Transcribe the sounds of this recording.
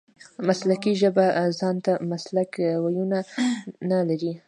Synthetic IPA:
maslakiʒəbazɑnt̪amaslakwajunanalaɾi

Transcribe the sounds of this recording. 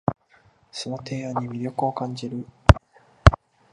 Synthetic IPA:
so̞no̞t̪ʰe̞ːaɲ̟ːimʲiɾʲo̞kɯ̟o̞kãɲd͡ʑiɾɯ̟

